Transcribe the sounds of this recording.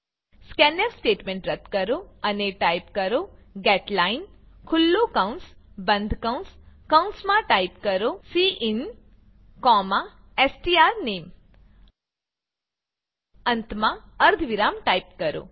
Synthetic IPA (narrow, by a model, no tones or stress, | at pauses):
skɛnəɾsʈeʈmẽɳʈɾət̪kəɾoəneʈaipkəɾoɡɛʈlain | kʰʊlːokaunsbənd̪ʱkaw̃nskawnsmãʈaipkəɾosiʔin | kɔmã | esʈiaɾnem | ənt̪mãəɾd̪ʱʋiɾamʈaipkəɾo̰